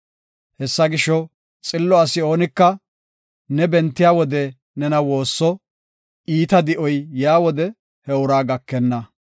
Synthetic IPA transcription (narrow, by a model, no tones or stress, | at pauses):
hɛsːɐɡɪʃɔ | t͡sʼɪlːɔɐsɪo̞ːnɪkːɐ | nɛbɛnt̪ːɪjaːwɔd̪ɛ | nɛnɐwo̞ːsːɔ | ʔiːt̪ɐd̪ɪʔɔjjaːwɔd̪ɛ | hɛʊɾaːɡɐkːɛnːɐ